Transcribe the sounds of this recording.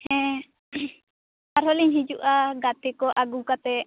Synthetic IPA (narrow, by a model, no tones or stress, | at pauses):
hɛ̃ | aɾɦɔliɲɦid͡ʒuʔaɡat̪ɛkɔʔaɡukat̪ɛ